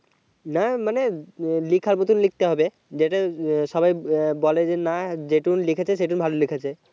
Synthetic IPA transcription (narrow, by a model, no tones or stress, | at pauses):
namanelikʰaɾnot̪unlik̚t̪eɦɔbe | d͡ʑeʈaʃɔbajbɔled͡ʑenad͡ʑeʈunlikʰet͡ɕʰeʃeʈ̬unbʱalolikʰat͡ɕʰe